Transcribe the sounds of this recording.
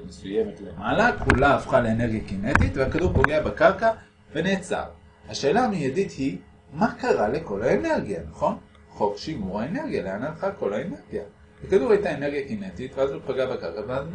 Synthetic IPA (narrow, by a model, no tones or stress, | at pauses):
mesujemetlemalakulaːfχaleene̞ʁɡjakinet̪itveakaduʁpo̞ɡe̞abakaʁka | ve̞ne̞ːt͡sa̰ʁ | haʃe̞ːlamijadit̪hi | makaʁale̞ko̞laene̞ʁɡjanaχo̞n | χo̞kʃimuʁaene̞ʁɡijaleanalχako̞laene̞ʁɡja | bakaduʁhajtae̞neʁɡijakine̞tit̪veazlopaɡabakaʁkaveaz